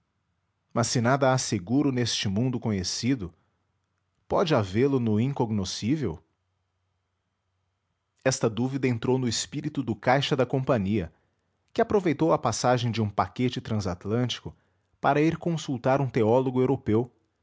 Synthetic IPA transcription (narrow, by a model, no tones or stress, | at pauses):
mɐsːɪnad̪ɐaseɡuɾʊnest͡ʃɪmũnd̪ʊkõɲesid̪ʊ | pɔd͡ʒɪavelʊnʊĩŋkoɡnosivḛw | ɛst̪ɐd̪uvid̪ɐẽnt̪ɾownʊɪspiɾit̪ʊd̪ʊkajʃɐd̪ɐkõpɐ̃ɲiɐ̰ | kɪapɾovejt̪owɐpasaʒẽj̃d͡ʒɪũpaket͡ʃɪt̪ɾɐ̃zat̪lɐ̃t͡ʃi̥kʊ | paɾɐiɾkõsuwt̪aɾũt̪eɔloɡʊewɾopew